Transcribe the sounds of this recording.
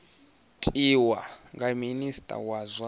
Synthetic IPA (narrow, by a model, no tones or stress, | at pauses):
tʰʼiwa̰ŋɡaministʼa̰wazʷwa